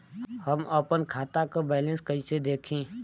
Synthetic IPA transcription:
həməpənkʰaːt̪akabɛːlẽnskəised̪eːkʰẽː

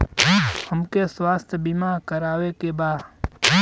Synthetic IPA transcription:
həmkeswaːst̪ʰjəbimakəɾaːwekebaː

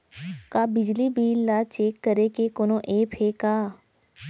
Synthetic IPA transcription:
kabɪd͡ʒlibiːlːat͡ʃeːkːəɾekekonõʔeːpʰeːkaː

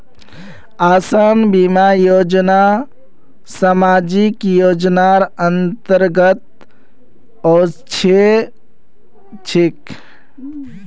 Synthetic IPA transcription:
aːsanbimajod͡ʒna | samad͡ʒikjod͡ʒnaɾənt̪əɾɡət̪̚ | ɔt͡ʃʰe | t͡ʃʰik

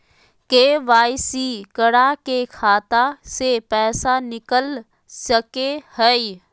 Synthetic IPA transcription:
keːʋaːɪsikəɽakekʰaːt̪asepɛːsanɪkəl | səkehəi

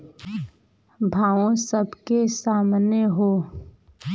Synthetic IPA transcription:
bʱaːʋõsəbkesaːmneɦoː

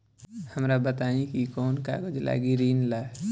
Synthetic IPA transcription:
həmɾabət̪aĩkikɔːnka̰ɡəd͡ʒla̰ɡiɾiːnla

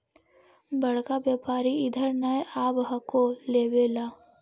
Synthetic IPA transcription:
bɐɽ̤kabjəːpaːɾiɪd̪ʱəɾnəeʔaːbɦɐkoleːʋeːlaː

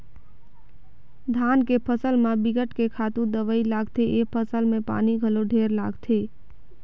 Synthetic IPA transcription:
d̪ʱankepʰəsəlmebiɡəʈkekʰat̪ũd̪əʋəilaɡt̪ʰeʔepʰəsəlmepa̰niɡʱəloɖʱeɾla̰ɡt̪ʰe

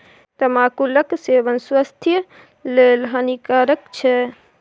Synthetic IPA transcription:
t̪əmãːkuləkseʋənsʋast̪ʰjə | lelɦənikaɾəkt͡ʃʰɛ

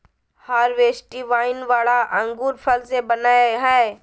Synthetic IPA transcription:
haːɾʋeːsʈiʋaːɪnʋaːɭaʔɐ̃ŋɡuːɾpʰəlsebɐnaːɦɛː

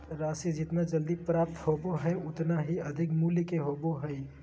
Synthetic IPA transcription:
ɾaːsid͡ʒɪt̪mẽd͡ʒɐld̪ipɾaːp̚t̪hoːboɦɛʊt̪naɦiɐd̪ʱɪkmuːlikeɦoːboɦɛi

